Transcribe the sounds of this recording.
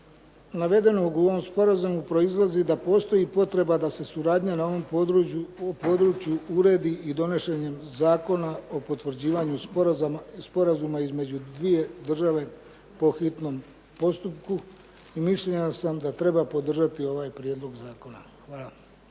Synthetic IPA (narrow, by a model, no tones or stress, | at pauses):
naʋe̞d̪e̞no̞ɡuoʋo̞mspo̞ɾazumupɾo̞izlˠazid̪apo̞ːst̪o̞jipo̞t̪ɾe̞bad̪ase̞suɾaːd̪ɲanaoʋo̞m | opo̞ːd̪ɾut͡ɕjuuɾe̞ːd̪iʔid̪o̞ne̞ʃe̞ɲe̞mzaːko̞nao̞po̞t̪ʋɾ̩d͡ʑiːʋaɲu | spo̞ɾazumaizme̞d͡ʑud̪ʋije̞d̪r̩ʒaʋe̞ | po̞xit̪no̞m | po̞st̪upku | imiʃʎe̞ɲasamd̪at̪ɾe̞bapo̞d̪r̩ʒat̪io̞ʋaːjpɾjed̪lo̞ɡzaːko̞naxʋaːlˠa